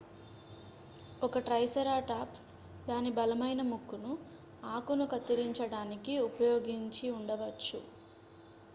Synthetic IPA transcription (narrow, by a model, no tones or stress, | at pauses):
ɔkɐʈɾɐjsɐɾaːʈaːps | d̪aːnibɐlɐmɐjnɐmukːunu | aːkunukɐt̪ːiɾiɲt͡ʃɐɽaːnikiupɐjoːɡiɲt͡ʃiuɳɖɐʋɐt͡ʃːṵ